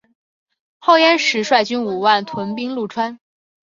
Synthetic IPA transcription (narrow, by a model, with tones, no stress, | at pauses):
xo˥˩ʊjɛ˥nʂɻ̩˧˥ʂwa˥˩ɪt͡ɕy˥nu˨˩wa˥˩nt̪ʰwə˧˥np̬i˥ŋlu˥˩ʈ͡ʂʰwa˥n